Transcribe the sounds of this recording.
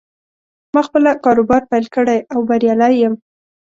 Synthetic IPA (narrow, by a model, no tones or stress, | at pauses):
mɑxpəlakɑɾobɑɾpajlkəɽajawbaɾjɑlajːəm